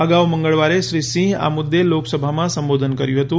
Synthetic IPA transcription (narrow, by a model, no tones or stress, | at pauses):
əɡaʋmə̃ŋɡəɭʋaɾeʃɾisĩɦa̰mʊd̪ʱːeloksəbʱamãsə̃mbod̪ʱənkəɾjũɦət̪ũ